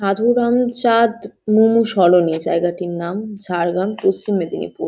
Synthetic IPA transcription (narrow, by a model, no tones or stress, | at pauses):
ʃad̪ʱuɾamt͡ɕad̪mumuʃɔlonid͡ʑa̰eɡaʈiɾnamd͡ʑʱaɾɡanpost͡ɕimːed̪ʱinḭpṵɾ